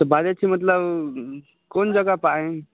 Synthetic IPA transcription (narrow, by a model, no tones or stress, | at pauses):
t̪əbaɾat͡ɕimət̪ləb | koɳd͡ʑəɡapaẽ